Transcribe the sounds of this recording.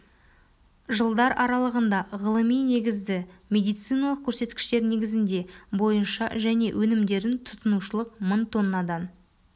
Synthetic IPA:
ʒəlˠd̪ɑɾʔɑɾɑlˠəʁənd̪ɑʁəlˠəmijne̞ɡʲɪzd̪ɪmʲe̞d̪ijt̪sɨjnɑlˠəq̚kʲʰɵɾse̞t̪kʲɪ̥ʃt̪e̞ɾne̞ɡʲɪzɪnd̪e̞bo̞jənʃɑʒæne̞wʔɵnɪmd̪e̞ɾɪnt̪ʰʊ̥t̪ənuʃəlˠəqməɴt̪ʰo̞nːɑd̪ɑn

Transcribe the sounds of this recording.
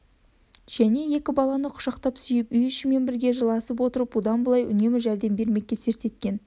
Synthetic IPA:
ʒ̥æne̞je̞kʲɪbɑlˠɑnəqʰʊ̥ʃɑqt̪ɑpsʏjɪpʏjʏʃɪme̞nbɪɾɡʲe̞ʒəlˠɑsəp̬wo̞t̪əɾəpod̪ɑnbəlˠɑjʔʏ̰ne̞mɪʒæɾd̪e̞mbe̞ɾme̞kʲːese̞ɾt̪e̞t̪̚kʲe̞n

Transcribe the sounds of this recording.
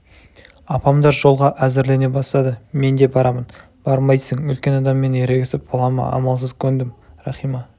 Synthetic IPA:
ɑpɑmd̪ɑɾʒo̞lˠʁɑʔæzɪɾle̞ne̞bɑst̪ɑd̪əme̞nd̪e̞bɑɾɑmən | b̥ɑɾmɑjsəɴɵlkʲe̞nɑd̪ɑmːe̞nje̞ɾeɡʲɪsɪp̚bolˠɑmɑ̰ɑ̰mɑlˠsəzkʲʰɵnd̪ɪmɾɑχijmɑ

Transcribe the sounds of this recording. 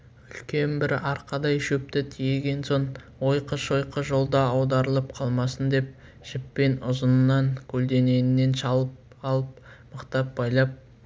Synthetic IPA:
ʏlkʲʰe̞nbɪɾɑɾqɑd̪ɑjʃɵp̚t̪ɪt̪ʰijeɡʲe̞nso̞n | wo̞jqəʃo̞jqəʒo̞lˠd̪ɑɑwd̪ɑɾəlˠəp̚qʰɑlˠmɑsənd̪e̞p̚ | ʒ̥ɪpːe̞nʊzənənːɑŋkʲʰɵld̪e̞ne̞nɪnːe̞nʃɑlˠəp̚ | ɑlˠəp̚məqt̪ɑp̚bɑjlˠɑp̚

